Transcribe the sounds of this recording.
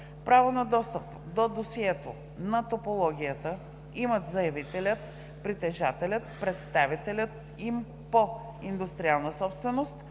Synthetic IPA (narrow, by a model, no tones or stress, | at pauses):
pɾavonɐd̪ɔst̪əp | d̪od̪osiɛt̪o | nɐt̪opolˠɔɡʲiət̪ə | imət̪zɐjɐvit̪ɛlʲət̪ | pɾit̪ɛʒat̪ɛlʲət̪pɾɛt̪st̪avit̪ɛlʲət̪ | im | po | ind̪ʊst̪ɾialˠnəsɔpst̪vɛnost̪